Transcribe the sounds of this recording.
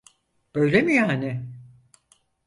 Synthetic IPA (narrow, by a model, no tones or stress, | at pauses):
b̥ø̞jlʲemijaːnɪ